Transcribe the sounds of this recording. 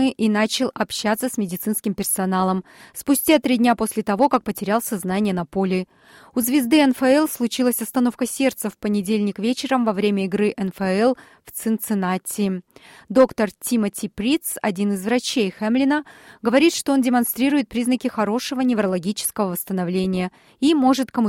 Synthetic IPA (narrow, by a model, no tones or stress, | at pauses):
ɨʔɪnat͡ɕɪlˠɐpɕːat̪sːəsʲmʲɪdʲɪt̪sɨnskʲɪmpʲɪrsɐnalˠəmspʊsʲtʲat̪ɾʲidʲnʲapo̞sʲlʲɪt̪ɐvo̞kak̚pətʲɪɾʲalˠsʲɐznanʲɪjənɐpo̞lʲɪ | ʊzvʲɪzd̪ɨɛnfɛɛlˠslˠʊt͡ɕilˠəsʲɐst̪ɐno̞fkəsʲe̞rt̪səfpənʲɪdʲelʲnʲɪkvʲet͡ɕɪɾəmvɐvɾʲemʲəɪɡɾɨʔɛnfɛɛlˠ | ft̪sɨnt̪sɨnatʲʰːɪd̪o̞kt̪ərtʲimətʲipɾʲit̪sɐ̰dʲinɨzvɾɐt͡ɕejxemlʲɪnəɡəvɐɾʲit̪ʂt̪o̞ondʲɪmɐnst̪ɾʲiɾʊjɪt̪̚pɾʲiznəkʲɪxɐɾo̞ʂəvənʲɪvɾəlˠɐɡʲit͡ɕɪ̥skəvəvəst̪ənɐvlʲenʲɪjə | imo̞ʐɨt̪kəmʊ